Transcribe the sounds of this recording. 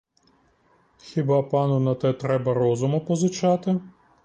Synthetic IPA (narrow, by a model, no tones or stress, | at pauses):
xʲibɑpɑnʊnɐt̪ɛt̪ɾɛbɐɾɔzʊmɐpɔzʊt͡ʃɑt̪ɪ